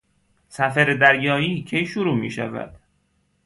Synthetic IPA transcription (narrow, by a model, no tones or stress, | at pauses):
sæfæɾed̪æɾjɒːiːcʰejʃuɾuːmḭːʃæ̰væ̰d̪̥